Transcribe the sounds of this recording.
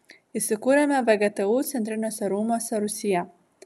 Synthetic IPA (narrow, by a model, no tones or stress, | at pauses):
iːsʲɪkuːɾʲɛmʲɛʋɐɡʲɛt̪ɐuːt̪sʲɛnt̪ʲɾʲɪnʲoːsʲɛɾuːmoːsʲɛɾʊsʲɪjɛ